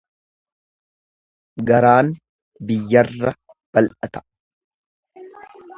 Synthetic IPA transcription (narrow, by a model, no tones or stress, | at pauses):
ɡɐɾaːn | bɪjːɐrːɐ | b̥ɐlʔɐt̪ɐ̥